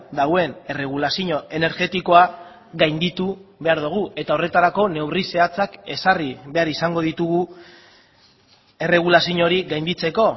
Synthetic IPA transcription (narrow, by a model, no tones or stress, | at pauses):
d̪awe̞ne̞re̞ɣ̞ulasiɲo̞e̞ne̞ɾɣe̞t̪iko̞a | ɣajnd̪it̪uβe̞aɾðuɣ̞ue̞t̪ao̞re̞t̪aɾako̞ne̞wrise̞at͡sake̞sariβe̞aɾisaŋɡo̞ðit̪uɣu | e̞re̞ɣ̞ulasiɲo̞ɾiɣajnd̪it͡se̞ko̞